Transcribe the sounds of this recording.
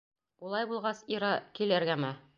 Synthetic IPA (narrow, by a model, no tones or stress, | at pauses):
ulˠɑjbulˠʁɑsiɾɑkilæɾɡæmæ